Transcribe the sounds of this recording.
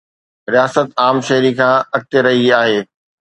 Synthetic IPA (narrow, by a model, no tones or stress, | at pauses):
ɾijaːsət̪aːmʃɐɦɾikʰãːɐk̚t̪eɾɐɦiaːɦeː